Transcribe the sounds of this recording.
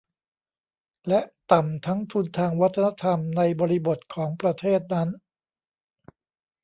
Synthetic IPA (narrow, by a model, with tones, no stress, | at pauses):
lɛ˦˥ʔt̪a˨˩mt̪ʰa˦˥ŋt̪ʰu˧nt̪ʰaː˧ŋwa˦˥t̪ʰːa˧na˦˥t̪ʰa˧mna˧jbɔː˧ɾi˦˥bo˨˩t̪̚kʰɔː˩˦ŋpɾa˧t̪ʰeː˥˩t̪̚na˦˥n